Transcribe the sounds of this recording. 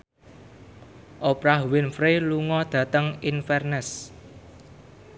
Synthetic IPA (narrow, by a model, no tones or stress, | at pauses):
ʔopɾahwɪnfɾeluŋɔd̪̥ä̤t̪əŋinfɛrnɛs